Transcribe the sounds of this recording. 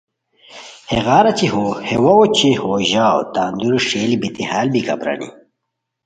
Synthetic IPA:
heɣaːɾɐt͡ɕiɦoːhewɐwot͡ɕihoːʑao̰t̪aːnd̪uɾuʂeːlibit̪ihaːlbikɐ̰bɾa̰nḭ

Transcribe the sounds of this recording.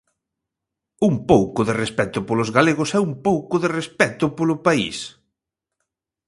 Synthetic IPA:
umpowkʊðerespɛt̪ʊpolʊzɣaleɣʊsɛumpowkʊðerespɛt̪ʊpolʊpaḭs

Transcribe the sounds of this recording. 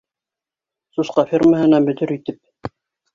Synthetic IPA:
susqɑfʲirməɦɘ̆næbɵ̆t̪ɵɾit̪ɘp̚

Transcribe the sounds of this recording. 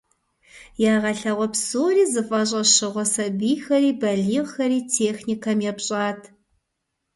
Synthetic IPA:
jaːʁɐɬɐʁʷɔpsoːɾiːzɨfʼɐɕ̬ʼɐɕɨʁʷɔsɐbiːxɐɾiːbɐɮiːʁxɐɾiːtʰeːxnikʰɐmjɛpɕʼaːtʰ

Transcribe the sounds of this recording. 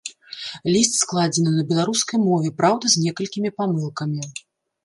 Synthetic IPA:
lʲist̪ʲsklˠad͡zʲɛnɨnɐbʲɛlˠaɾuskɐjmɔvʲɛpɾawd̪ɐzʲnʲɛkɐlʲkʲimʲipamɨlˠkɐmʲi

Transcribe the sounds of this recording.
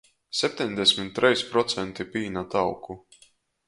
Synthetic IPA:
sʲɛp̚ʲt̪ʲɛɲʲd̪ʲɛsʲmit̪ːɾʔɛjspɾɔt̪sɛnt̪ipiːnat̪awkʰu

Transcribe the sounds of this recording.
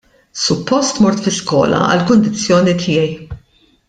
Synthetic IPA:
sʊpːɔst̪mɔɾt̪fɪskɔ̰ːlɐ̰ɐ̰lkʊnd̪ɪt͡sːjɔːnit̪ʰɪjɛj

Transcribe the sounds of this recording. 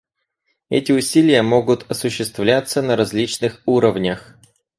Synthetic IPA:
ɛ̰tʲɪʊsʲilʲɪjəmo̞ɡʊt̪ɐsʊɕːɪst̪vlʲat̪sənəɾɐzʲlʲit͡ɕnɨxuɾəvnʲəx

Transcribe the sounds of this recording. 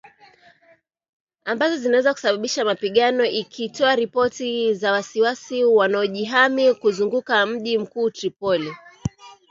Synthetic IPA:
ambazɔzinawɛzaku̥saɓaɓiʃamapiɠanɔʔikʰitɔaɾipɔtizawasiwasiwanaɔʄiɦamikuzuŋɡukam̩ʄim̩kuːtɾipɔli

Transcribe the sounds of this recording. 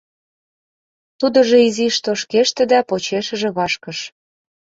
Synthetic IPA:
t̪ud̪ɤ̆ʒeiziʃt̪oʃkeʃt̪ĕd̪ɑpot͡ɕeʃə̆ʒĕβɑʃkɤ̆ʃ

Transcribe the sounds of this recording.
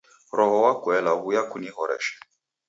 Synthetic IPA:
ɾɔɦɔwakwɛlaɣujakunihɔɾɛ̰ʃɛ̥

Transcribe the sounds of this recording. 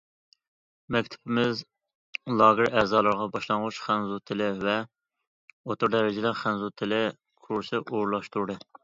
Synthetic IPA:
mɛkʲt̪ʰɪ̥pʰɪmɪz | lˠɑːɣɪɾɛːzɑːlˠɨɾʁɑbɑʃlˠɑŋʁʊʃχænzut̪ʰɪlɪvɛ | ot̪uɾd̪ɛɾɪd͡ʒɪlæɾχænzut̪ʰɪlɪ | kʰuɾsɨʔoɾlˠɑʃt̪uɾd̪ɨ

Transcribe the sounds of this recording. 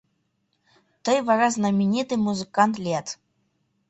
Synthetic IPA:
t̪ɨjvaɾaznɐmʲinʲit̪ɨmuzɨkant̪lʲɛt̪

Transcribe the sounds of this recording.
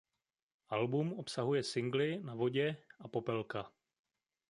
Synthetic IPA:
ʔalbumopsaɦujɛsɪŋɡlɪnavo̞ɟɛʔapo̞pɛlka

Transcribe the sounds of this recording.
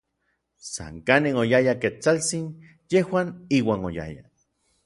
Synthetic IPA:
sa̰ŋkanenojajaket͡salt͡sin | jehwaːniːwaːnoja̰ja̰

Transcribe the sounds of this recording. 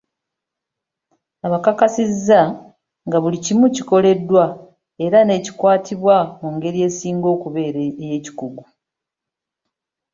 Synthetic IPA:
aβakakasizːa | ŋɡaβulicimuciko̞le̞dːwa | e̞ɾane̞cikwaːtʰiβwamuŋɡe̞ɾije̞ːsiːŋɡo̞ːkuβe̞ːɾeeje̞ːci̥kuɡu

